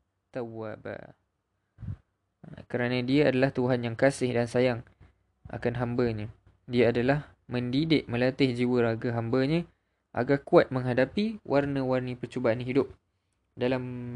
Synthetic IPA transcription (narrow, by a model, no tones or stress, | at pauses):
t̪awa̰ba̰ | kəɾanə̃diaadalaht̪uɦanjaŋkasɪhdansajaŋ | a̰kanɦambəɲə̃ | diaadalah | mə̃ndidɪʔ̚mə̃lat̪ɪhd͡ʒiwəɾaɡaɦambəɲə̃ | ʔa̰ɡarkuat̪̚mə̃ŋɦadapiwʔarnə̃warnə̃pərt͡ʃobaanɦidʊp̚ | dalam